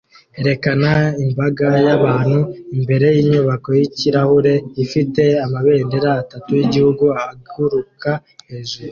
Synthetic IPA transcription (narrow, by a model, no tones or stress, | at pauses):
e̞ɾe̞kanaimbaɡajaβaːn̥huimbe̞ɾe̞jiːɲuβako̞jiciɾahuɾe̞ifite̞amaβe̞ːndeɾaːtatujiɟihuɡuahaɡuɾukaheʒuɾu